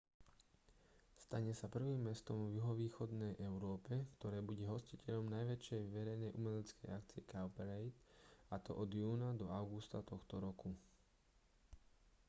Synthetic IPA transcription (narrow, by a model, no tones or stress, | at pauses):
st̪aɲɛsapr̩ʋiːmːɛst̪ɔmvjuɦɔʋiːxɔd̪nɛjʔɛʊɾɔːpɛkt̪ɔɾɛːbuɟɛɦɔscicɛʎɔmnajʋɛt͡ʃjɛjʋɛɾɛjnɛjʔumɛlɛt͡skɛjakt͡siɛkaʊpɛɾɛjt̪at̪ɔ̰ʔɔd̪juːnad̪ɔaʊɡust̪at̪ɔxt̪ɔɾɔku